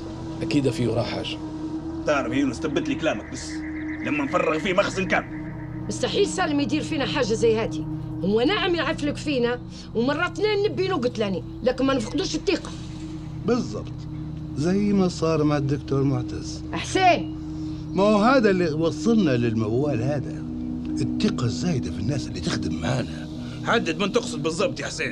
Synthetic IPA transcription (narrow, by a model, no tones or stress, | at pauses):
ʔakiːd̪afiɾˤɑ̰ħa̰ːʒa | t̪ɑːɾˤbhiːnust̪abːɪt̪liklaːmak̚bas | lamːænfɑrˤːɪɣfiːmaxsɪnkaːm | mʊst̪aħiːlsæːlɪmjd̪iːɾfiːnaħaːʒːazæjːhæːt̪ihʊwːænaʕamjaʕɪfləkfiːnæ | wmɑrˤːɑt̪næːnːɪbːinʊɡʊt̪læni | læːkɪnmænfqd̪uːʃət̪ˤːiːqɑ̥ | bɨzˤːɑ̰bt̪ˤ | zajmasˤɑːɾˤmaʕad̪ːʊkt̪uːɾmʊʕt̪az̥ | ʔaħseː | maɦaːd̪aliwɑsˤːɑlnalɪlmawːaːlhaːd̪a | ʔɪt̪ːiːqɑzːaːjd̪afinːaːsɪlːit̪ɪxd̪ɪmːʕaʕna | ħad̪ːad̪mant̪ʊqsɨd̪̚bɨzˤːɑb̚t̪jaħseːn